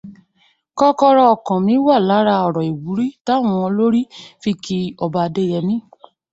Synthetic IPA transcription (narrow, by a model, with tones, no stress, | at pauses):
kɔ˧kɔ˧ɾɔ˧ɔ˨kɔ̃˨mĩ˦wa˦˨la˨˦ɾa˧ɔ˨ɾɔ˨i˨wu˨˦ɾi˦ta˦˨w̃ɔ̃˧lo˦ɾi˦fi˧ki˧ɔ˧ba˧de˦jɛ˧nĩ˦